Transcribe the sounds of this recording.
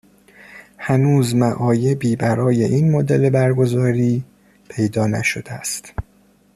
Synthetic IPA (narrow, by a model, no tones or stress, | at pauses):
hænuːzmæʔɒːje̞biːbæɾɒːje̞ʔinmod̪e̞le̞bæɾɡo̞zɒːɾiː | pʰejd̪ɒːnæ̰ʃod̪eæst̪